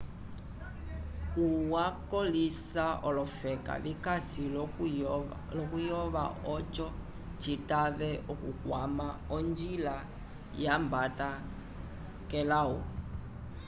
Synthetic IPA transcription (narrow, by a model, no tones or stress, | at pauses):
uwakɔlisaʔɔlɔfɛka̰βikasil | lɔkujɔβa̰ɔt͡ʃɔ | t͡ʃitaβɛʔɔkukwamaɔnd͡ʒila | jambata | kɛlaṵ